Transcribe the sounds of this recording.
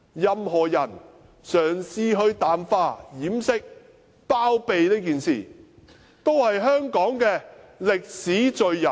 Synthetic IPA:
jɐ˨mɦɔː˨˩jɐ˨˩n | sœː˨˩ŋsiː˧ɦɵ˧ɥt̪aː˨mfaː˧jiː˨˥msɪ˥k̚ | paː˥wpe˨jt̪e˥kiː˨nsḭː˨ | t̪o˥whɐ˨jɦœː˥ŋkɔː˨˥ŋkɛː˧lɪ˨k̚siː˨˥t͡ʃɵ˨ɥjɐ˨˩

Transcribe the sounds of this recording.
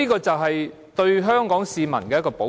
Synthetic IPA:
iː˥kɔː˧t͡sɐ˨wɦɐ˨j | t̪ɵ˧ɥɦœː˥ŋkɔː˨˥ŋsiː˨˧mɐ̰˨˩nkɛː˧jkɔː˧po˨˥

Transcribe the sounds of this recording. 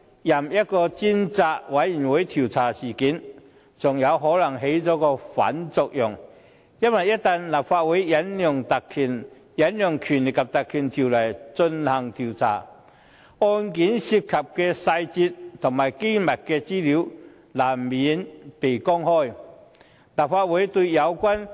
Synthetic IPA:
jɐ˨˩mjɐ˥t̚kɔː˧t͡si˥nt͡saː˧k̚wɐ˨˥jji˨˩nwu˨˥jt̪ʰi˨˩wt͡sʰaː˨˩siː˨˩kiː˨˥n | t͡sʊ˨ŋjɐ˨˧wɦɔː˨˥lɐ˨˩ŋɦe˨˧˥jt͡sɔː˨˥kɔː˧fa̰˨˥nt͡sʊ˨k̚jʊ˨˩ŋ | jɐ˥nwɐ˨jɐ˥t̚t̪a˧nla˨˩p̚faː˧t̚wuː˨˥jjɐ˨˦˥njʊ˨ŋt̪ɐ˨kʰyː˨˩n | jɐ˨˥njʊ˨˩ŋkʰy˨˩nlɪ˨kʰːɐ˨˩p̚t̪ɐ˨kʰːyː˨˩nt̪ʰi˨˩wlɐ˨˩jt͡sɵ˧nhɐ˨˩ŋt̪ʰi˨˩wt͡sʰa̰ː˨˩ | ɔː˧nki˨˥nsi˧p̚kʰɐ˨˩p̚kɛ˧sɐ˧jt͡si˧t̚t̪ʰʊ˨˩ŋmaː˨˩jke˥mɐ˨˩t̚kɛ˧t͡siː˥li˨˥w | laː˨˩mmːiː˨˥npe˨˩jkɔ˥ŋhɔː˥˩j | laː˨˩p̚faː˧t̚wu˨˥jt̪u˧ɥjɐ˨˧wkʷɐ˥n

